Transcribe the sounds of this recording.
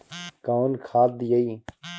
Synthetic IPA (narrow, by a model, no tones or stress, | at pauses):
kaːʋnkʰaːt̪̚d̪ɪjəiː